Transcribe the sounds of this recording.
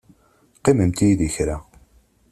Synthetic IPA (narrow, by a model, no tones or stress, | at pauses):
qːiməmt̪iðiçɾæ